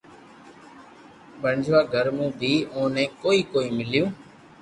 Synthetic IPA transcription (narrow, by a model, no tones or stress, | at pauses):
ɓəɳd͡ʒʱʋaːɡʱəɾmũːb̪ʱiːõːnẽːkoːiːkoːiːmɪljũː